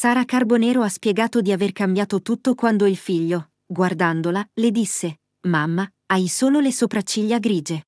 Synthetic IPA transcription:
saːɾakarbonɛːɾoaspjɛɡaːt̪od̪iaverkambjaːt̪ot̪ut̪ːokwand̪oilfiʎːo | ɡward̪and̪olaled̪isːe | mamːa | ajsoːlolesopɾat͡ʃːiʎːaɡɾiːd͡ʒe

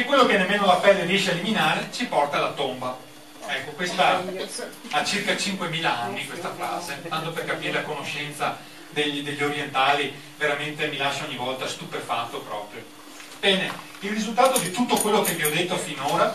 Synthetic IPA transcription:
ekːwelːokenːemːeːnolapɛlːeriɛʃeaeliminaːɾet͡ʃipɔrt̪alat̪omba | ɛkːokwest̪a | at͡ʃirkat͡ʃiŋkwemiːlaanːikwest̪afɾaːzet̪ant̪operkapiːɾelakonoʃɛnt̪sa | d̪ed̪eʎːoɾjent̪aːli | veɾament̪emilaʃːaoɲːivɔlt̪ast̪upefat̪ːopɾɔːpɾjo | bɛːne | ilrːizult̪aːt̪od̪it̪ut̪ːokwelːokeviɔd̪et̪ːofinoːɾa

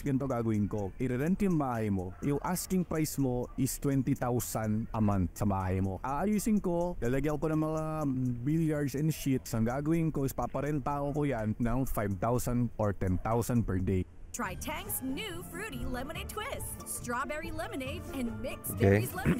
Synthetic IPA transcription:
ɡɐnt̪oɡaːɡɐwɪŋko̞ʔɪɾɛɾɛnt̪ɪmbaːhɐjmojʊŋʔaskɪŋpɾajsmoʔɪst̪wɛnt̪it̪awsɐnʔɐmant̪sɐbaːhɐjmo̞ʔaʔɐjusɪŋkod̪ɐlɐɡɐjɐkokonɐŋmɐŋabɪljaɹd̪sɛnʃit̪sɐŋɡaːɡɐwɪŋkoɪspapɐɾɛnt̪aʔokojanːɐŋfajb̚t̪awsɐnd̪ʔoɹt̪ɛnt̪awsɐnd̪̚pɛɹd̪ej | tʰɹ̥ajtʰæ̃ŋksnʉfɹʉɾilɪməneɪtʰw̥ɪs | stɹ̥ɔbɛɹilɪmɨneɪtɨ̃nmɪkskeɪ

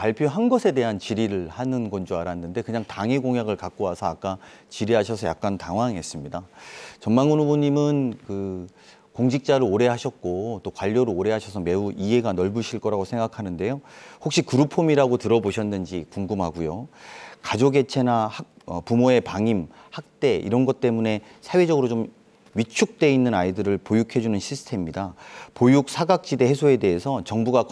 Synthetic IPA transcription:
paɭpʰjoɦanɡʌsʰe̞de̞ɦant͡ɕiɾiɾɯɭhanɯnɡʌnd͡ʑoaɾanːɯnde̞kɯɲaŋtaŋeɡoŋjaɡɯɭkak̚k͈oɦasʰʌak͈at͡ɕiɾiɦaɕʰʌsʰʌja̰k̚k͈antaŋwaŋiɦe̞s͈ɯmɲidat͡ɕʌnmaŋunuboɲimɯnkɯ | koŋɕʰik̚t͡ɕ͈aɾɯoɾe̞ɦaɕʰʌt̚k͈ot͈okwaʎːʌɾɯooɾe̞ɦaɕʰʌsʰʌme̞uiɦe̞ɡanʌɭbuɕʰiɭk͈ʌɾaɡosʰeŋɡakʰanɯnde̞johok̚ɕ͈ikɯɾupʰomiɾaɡotɯɾʌboɕʰʌnːɯnd͡ʑikuŋɡɯmɦaɡujokad͡ʑoɡe̞t͡ɕʰe̞nahak̚ | ʌpumoe̞paŋim | hak̚t͈e̞ḭɾʌnɡʌt̚t͈e̞mune̞ | sʰawe̞d͡ʑʌɡɯɾot͡ɕom | ɥit͡ɕʰuk̚t͈e̞inːɯnaidɯɾɯɭpojukʰe̞d͡ʑunɯnɕʰisʰɯ̥tʰe̞mɲidapojuk̚sʰaɡak̚t͡ɕ͈ide̞ɦe̞sʰoe̞de̞ɦesʰʌt͡ɕʌŋbuɡa

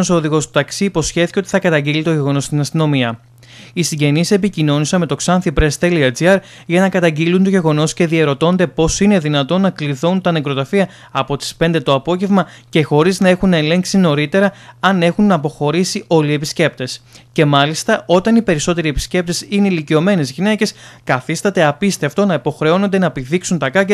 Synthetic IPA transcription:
osoðiɣo̞st̪u̥t̪ɐksiːpo̞sçe̞θiceot̪i̥θɐkɐt̪ɐɲɟilit̪o̞ʝeɣo̞no̞st̪inɐst̪ino̞miɐ | isiɲɟe̞nise̞picino̞nisɐnme̞t̪oksɐnθipɾe̞st̪eliɐd͡ziɐɾ | ʝɐnɐkɐt̪ɐɲɟilunt̪o̞ʝe̞ɣo̞no̞sce̞ðie̞ɾo̞t̪o̞nd̪e̞po̞sine̞ðinɐt̪o̞nɐkliθunt̪ɐnekɾo̞t̪ɐfiɐ | ɐpo̞t̪i̥spe̞nd̪e̞t̪o̞ɐpo̞ʝe̞vmɐce̞xo̞ɾiznɐe̞xunɐele̞ŋksino̞ɾit̪e̞ɾɐɐne̞xunɐpo̞xo̞ɾisiʔo̞lie̞pisce̞p̚t̪e̞sce̞mɐlist̪ɐo̞t̪ɐnipe̞ɾiso̞t̪e̞ɾie̞pi̥sce̞p̚t̪e̞sineilicio̞me̞ne̞zʝine̞ce̞skɐθist̪ɐt̪e̞ɐpist̪eft̪o̞nɐipo̞xɾe̞o̞no̞nd̪e̞nɐpiðiksunt̪ɐkɐk

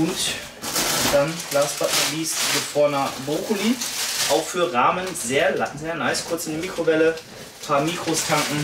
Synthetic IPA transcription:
ʊnt | d̥anɡ̥laːsb̥atmatliːsɡəfɔɐnɐbʁoːkʊliːʔaʊxfyːɐʁaːmənzeːɐlazeːɐnaɪskʰʊɐt͡sɪndimiːkʁ̥ovɛlə | pʰaːmiːkʁ̥ostʰaŋkŋ̩

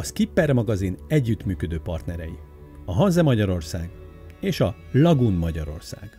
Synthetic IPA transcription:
ɒskipːɛrmɒɡɒzinɛɟːyt̪myːkød̪øːpɒrt̪nɛɾɛji | ɒɦɒnzɛmɒɟɒɾo̞rsaːɡ | eːʃɒ | lɒɡunmɒɟɒɾo̞̰rsa̰ːɡ̥

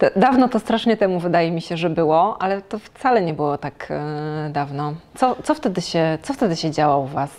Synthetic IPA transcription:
t̪ɔd̪avnɔt̪ɔst̪ɾaʂɲɛt̪ɛmuvɘd̪ajɛmʲiɕɛʐɛbɘwɔalɛt̪ɔft̪salɛɲɛbɘwɔt̪akd̪avnɔt̪sɔt̪sɔft̪ɛd̪ɘɕɛt̪sɔft̪ɛd̪ɘɕɛd͡ʑawauvas

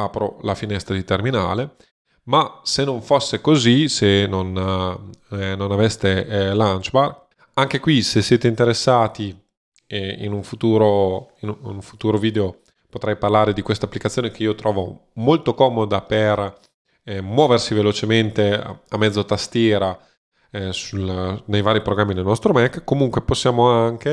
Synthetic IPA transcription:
apɾo̰lafinɛst̪ɾad̪it̪ermina̰ːle | masenːoɱfosːekozisenon | nonavɛst̪elant͡ʃbar | aŋk̟ekwisesːeːt̪eint̪eɾesːaːt̪i | ḭnuɱfut̪uːɾoinunuɱfu̥t̪uːɾoviːd̪eo | pot̪ɾɛjparlaːɾed̪ikwest̪apːlikat̪ːjoːnekeiːot̪ɾɔːvomolt̪okɔːmod̪aper | mwɔːversivelot͡ʃement̪ḛamːɛd̪zːot̪ast̪jɛːɾa | sulnejvaːɾipɾoɡɾamːid̪elnɔst̪ɾomɛkːkːomuŋkweposːjaːmoaŋk̟e

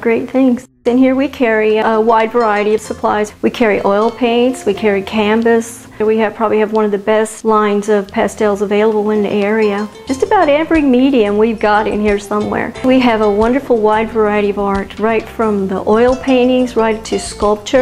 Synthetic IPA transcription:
ɡ̥ɹeɪt̪̚θɪ̃ŋz̥ | ɨ̃nhiɹwikʰɛɹiəwaɪdvə˞aɪɨɾiʌv̥səpʰl̥a̰ɪzwikʰɛɹiʔɔɪlˠpʰẽɪ̃ntswikʰɛɹikʰæ̃mbɨs | wiɨpʰɹ̥ɑbəbliɨvwʌ̃nʌvðɨbɛstˡlãɪ̃nzʌv̥pʰɛstɛlˠzəveɪlˠəbl̩ˠɪ̃nðḭʔɛɹiɨd̥d͡ʒʌstɨbaʊɾɛ̃pə˞ɪ̃ŋmiɾiɨ̃mwivɡɑɾɨ̰̃nhiɹsʌ̃mwɛ̰ɹwiɨvəwʌ̃ndə˞fl̩ˠwaɪdvə˞aɪɨɾiʌvɑɹtɹaɪtfɹʌ̃mðḭʔɔɪlˠpʰẽɪ̃ñɪ̃ŋzɹaɪtʰɨskʌlˠp̚t͡ʃə˞

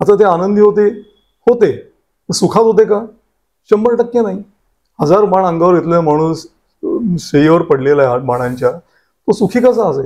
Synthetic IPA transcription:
at̪at̪eanənd̪ʱiɦot̪e | hot̪e | əsukʰat̪ɦot̪̬eka | ɕəmbəɭʈəkːjẽnaɦi | həd͡zaɾmaɳə̃ŋɡaʋəɾjet̪lojãm̤aɽ̃uːs | ɕeiʋəɾpəɽ̤lelaabaɽ̃ãɲt͡ɕja | t̪osukʰiːkəs̬aəse

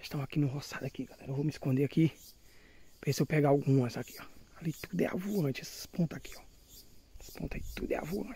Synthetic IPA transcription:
ʃt̪ɐ̃w̃akinʊ̃ɦɔsad̪akiɡalɛɾɐewvowmiskõnd̪eaki | pesewpɛɡaawɡũmɐsaki̥ɔalit̪ud̪ʊɛ̰a̰vulɐ̃t͡ʃɛsɐ̥spõt̪akiɔ | ɛspõt̪akit̪ud̪ɛ̰a̰vulõt͡ʃ

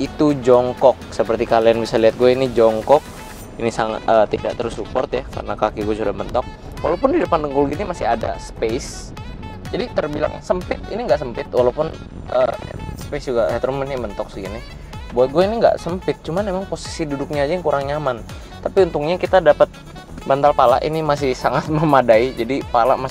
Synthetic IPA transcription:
it̪ud͡ʒɔŋkɔk̚səpərt̪ikalianbisaliɦat̪̚ɡuɛinid͡ʒɔŋkɔk̚ | inisaŋa̰t̪ət̪idaʔt̪əɾʊsːupɔ̰rt̪jaka̰rnakakiɡuɛsudamənt̪ɔk̚ | walaupʊndidəpandəŋkʊlɡinimasɪada̰spes | d͡ʒadit̪ərbila̰ŋsəmpɪt̪̚iniŋɡaʔsəmpɪt̪walawpʊn | ʔə̰sə̥pesd͡ʒuɡahɛt̪ɾumnimənt̪ɔk̚siɡinɪ | buat̪̚ɡuɛiniŋɡa̰ʔsəmpɪt̪̚t͡ʃumanːemaŋposi̥sidudʊk̚ɲaːd͡ʒajaŋkuɾaŋɲaman | t̪apiunt̪ʊŋɲakit̪adapət̪̚ | bant̪alpala̰ʔinimas̬ɪhsaŋat̪̚məmadaid͡ʒadipalaʔma

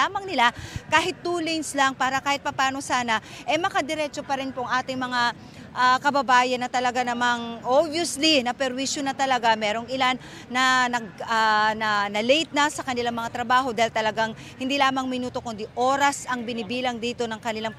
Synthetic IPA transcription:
aːmɐŋnɪlakaːɦɪt̪ːulɛjnslaŋpaːɾɐkaːhɪt̪̚pɐpaːno̞saːnɐʔɛjmɐkad̪ɛɾɛːt͡ʃo̞pɐɾɪnpoʔɐŋʔaːt̪ɪŋmɐŋa | ʔakɐbɐbaːjɐnːɐt̪ɐlɐɡanɐmaŋʔobjoslinɐpɛɾwiʃjonɐt̪ɐlɐɡamɛːɾo̞ŋʔɪlanː | ɐnɐɡ̚anɐnɐlɛjt̪̚nɐsɐkɐnɪlaŋmɐŋat̪ɾɐbaːɦo̞d̪aːhɪlt̪ɐlɐɡaŋ | hɪnd̪iːlaːmɐŋmɪnuːt̪o̞kʊnd̪iʔo̞ːɾɐsɐŋbɪnɪbiːlɐŋd̪iːt̪o̞nɐŋkɐnɪlaŋ

